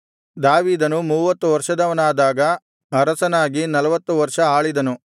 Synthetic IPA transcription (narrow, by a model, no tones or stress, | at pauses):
d̪aːʋiːd̪ɐnumuːʋɐt̪ːuʋɐɾʂɐd̪ɐʋɐnaːd̪aːɡɐ | ɐɾɐsɐnaːɡinɐlɐʋɐt̪ːuʋɐɾʂɐaːɭid̪ɐnu